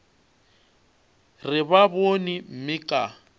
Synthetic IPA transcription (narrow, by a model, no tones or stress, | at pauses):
rɪbabonim̩mɪkʼa